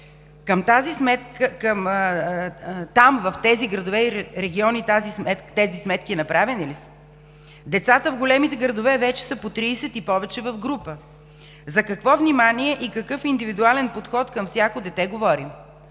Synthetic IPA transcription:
kɐmt̪azismɛt̪kəkəm | t̪amvɐft̪ɛziɡɾɐd̪ovɛiɾɛɡʲiɔnit̪azismɛt̪t̪ɛzismɛt̪kʲiɛnɐpɾavɛnilisə̥ | d̪ɛt̪sat̪əvɡolɛmit̪ɛɡɾɐd̪ovɛvɛt͡ʃɛ̥səpot̪ɾiːsɛt̪ipɔvɛt͡ʃɛvɐvɡɾupə | zɐkɐkvɔvnimaniɛʔikɐkɤfind̪ivid̪ualɛnpot̪xɔt̪kɐmfsʲjakod̪ɛt̪ɛɡovɔɾim

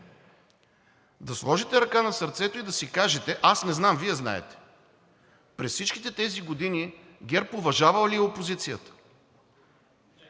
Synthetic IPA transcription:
d̪ɐslˠɔʒit̪ɛɾɐkanɐsɐɾt̪sɛt̪ʊid̪ɐsikaʒɛt̪ɛʔasnɛznamviɛzna̰ɛ̰t̪ɛ̥ | pɾɛssit͡ʃkʲi̥t̪ɛt̪ɛziɡod̪ini | ɡʲɛɾpovɐʒavɐlˠliɛopozit̪sijət̪ə̥

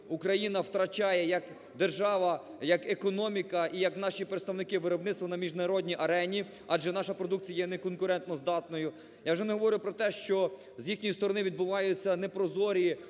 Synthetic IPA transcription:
ukɾɐjinɐwt̪ɾɐt͡ʃɑjɛjɐk | d̪erʒɑʋɐjɐkekɔnɔmʲikɐʔijɐknɑʃipɾet̪st̪ɐwnɪkɪʋɪɾɔbnɪt̪st̪ʋɐnɐmʲiʒnɐɾɔdʲnʲiʔɐɾɛnʲi | ɑd͡ʒɛnɑʃɐpɾɔd̪uk̚t͡sʲijɐjɛnɛkɔnkʊɾɛnt̪nɔzd̪ɑt̪nɔjʊ | jawʒɛnɛɦɔʋɔɾʲɪjʊpɾɔt̪ɛʃt͡ʃɔ | zjixnʲɔjʊst̪ɔɾɔnɪʋʲid̪̚bʊʋɑjʊt͡sʲːɐnɛpɾɔzɔɾʲi

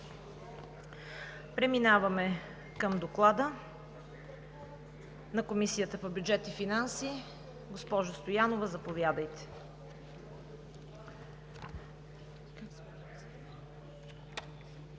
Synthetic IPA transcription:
pɾɛminavɐmɛ | kəmd̪oklˠad̪ə | nɐkomisijət̪əpobjud͡ʒɛt̪ifinansi | ɡospɔʒost̪ojanovəzɐpovʲjad̪əjt̪ɛ̥

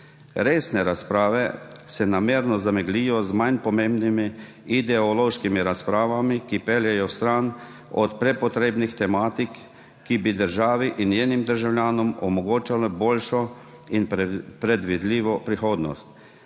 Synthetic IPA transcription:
ɾeːsnɛɾaspɾaːʋɛsɛnameːɾnɔzamɛɡliːjɔzmajnpɔmembnimiː | d̪ɛɔloːʃkimiɾaspɾaːʋamikipɛljɛjɔst̪ɾan | ɔt̪pɾɛpɔt̪ɾeːbnixt̪ɛmaːt̪ikː | ibid̪əɾʒaːʋiʔinjeːnimd̪əɾʒawlʲjaːnɔmɔmɔɡoːt͡ʃalɛboːlʃɔ | inpɾɛd̪ʋid̪liːʋɔpɾixoːd̪nɔ̰st̪

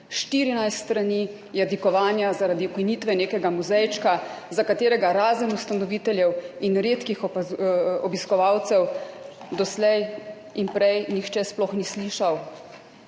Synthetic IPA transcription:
ʃt̪iːɾinajst̪st̪ɾani | jɛd̪ikɔʋaːnjazaɾad̪iukiniːt̪ʋɛneːkɛɡamuzɛjt͡ʃka | zakat̪eːɾɛɡaɾaːzənust̪anɔʋiːt̪ɛljɛwinɾeːt̪kix | ɔbiskɔʋawt̪sɛw | d̪ɔslɛj | inpɾɛjnixt͡ʃɛsplɔxnisliːʃaw

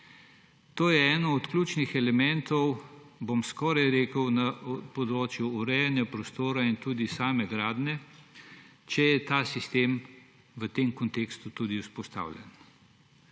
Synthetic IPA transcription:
t̪oːjɛɛːnɔɔt̪klʲuːt͡ʃnixɛlɛmɛnt̪ɔw | bomskɔːɾajɾeːkəwnapɔd̪ɾoːt͡ʃjuːɾɛjanjapɾɔst̪oːɾaint̪uːd̪isaːmɛɡɾaːd̪nɛ | t͡ʃɛjɛt̪aːsist̪em | ʋət̪emkɔnt̪ekst̪ut̪uːd̪iuspɔst̪a̰ːwlʲjɛ̰n

